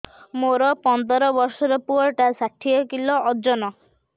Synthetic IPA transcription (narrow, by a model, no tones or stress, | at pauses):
moɾɔpɔnd̪ɔɾɔbɔɾsɔɾɔpuɔɾʈasaʈʰiɔkilɔʔɔd͡ʒɔnɔ